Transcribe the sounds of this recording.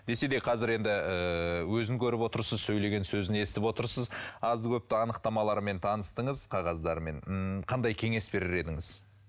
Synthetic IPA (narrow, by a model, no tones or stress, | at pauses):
d̪e̞se̞d̪ejqʰɑzɪɾe̞nd̪ɪəwɵzɪŋkʲʰɵɾɪpwo̞t̪əɾsəzsɵjle̞ɡʲe̞nsɵzɪne̞sɪt̪ɪpwo̞t̪əɾsəzɑzkʲʰɵp̚t̪ɪɑnəqt̪ɑmɑlˠɑɾme̞nt̪ʰɑnəst̪əɴəzqʰɑʁɑzd̪ɑɾme̞ɴqʰɑnd̪ɑjkʲʰe̞ŋe̞sbe̞ɾɪɾe̞d̪ɪŋɪz̥